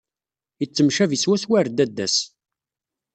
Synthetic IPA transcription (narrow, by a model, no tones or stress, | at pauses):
jət͡sːəmʃæviswæswæɾd̪æd̪ːæs